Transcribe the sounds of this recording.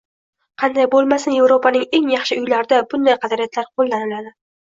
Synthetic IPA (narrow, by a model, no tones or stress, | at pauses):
qʰɑnd̪ajbolˠmasɪnje̞vɾo̞pʰanɪŋe̞ŋjɑχʃɪʊjlaɾd̪abʊnd̪ajqʰɑd̪aɾijat̪ʰlaɾqʰolˠːanɪlad̪ɪ